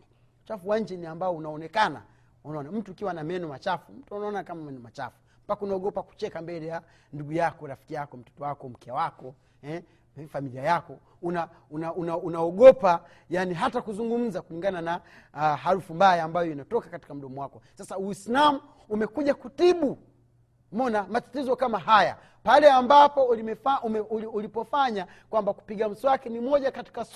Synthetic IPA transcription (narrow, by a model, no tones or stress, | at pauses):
ut͡ʃafuwaɲ̩d͡ʒɛniambaɔunaɔnɛkana̰ | unaɔnam̩tuikiwanamɛnɔmat͡ʃafum̩tuanaɔnakamamɛnɔmat͡ʃa̰fu̥ | mpakaunaɔɠɔpaku̥t͡ʃɛkambɛlɛja | nduɡujakɔɾafi̥kijakɔm̩tɔ̥tɔwakɔm̩kɛwakɔ | hɛ | ɛfamiliajakɔ | una | unaunaunaɔɡɔpa | janiɦatakuzuŋɡum̩zakuliŋɡanana | ɦaɾufumbajaːmbajɔinatɔkakati̥kam̩ɗɔmwakɔsasauwislamuː | mɛkuʄakutiɓu | mɔnamatatizɔkamaɦaja̰ | palɛambapɔlimɛfaumɛuulipɔfaɲa | kwambaku̥piɠam̩swakɛnimɔʄakati̥ka